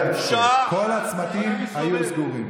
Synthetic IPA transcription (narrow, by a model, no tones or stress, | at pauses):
kʰolat͡smat̪imajusɡuʁim